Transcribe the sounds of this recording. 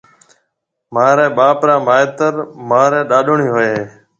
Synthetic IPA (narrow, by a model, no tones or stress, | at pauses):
maːɾẽːɓaːpɾãːmaːeːt̪əɾmaːɾẽːɗaːɗoɳiːɦoeːɦeː